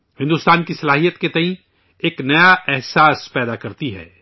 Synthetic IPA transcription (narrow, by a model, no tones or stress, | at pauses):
hɪ̃nd̪uːst̪aːnkisɐlaːɦijət̪ket̪ɐĩ | eːknɐjaɛɦsaːspɛːd̪akɐɾt̪iɦɛ̰ː